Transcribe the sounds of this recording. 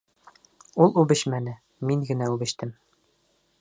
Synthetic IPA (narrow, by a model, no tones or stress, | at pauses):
ulˠʉbɘ̆ɕmænɘ | miŋɡɘ̆næʉbɘ̆ɕt̪ɘm